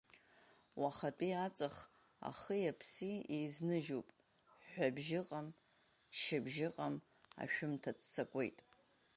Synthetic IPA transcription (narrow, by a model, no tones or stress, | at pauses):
waχatʼiat͡sʼɨχ | a̰χəjapʰsiejznɨʒupʼ | ħʷᶣabʒɪqʼam | ʃɪbʒɪqʼam | a̰ʃᶣʊmtʰat͡sʰsakʷʼe̞̰jtʼ